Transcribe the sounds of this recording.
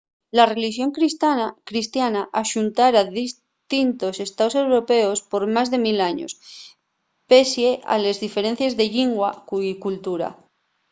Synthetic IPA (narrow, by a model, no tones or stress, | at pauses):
lare̞liʃjo̞ŋkɾist̪anakɾist̪janaʔaʃunt̪aɾaðis | t̪int̪o̞se̞st̪aose̞wɾo̞pe̞o̞spo̞ɾmazðe̞milaɲo̞̰s | pe̞sje̞ʔa̰le̞zðife̞ɾẽ̞n̟θje̞zðe̞ʎiŋɡwakukult̪uɾa̰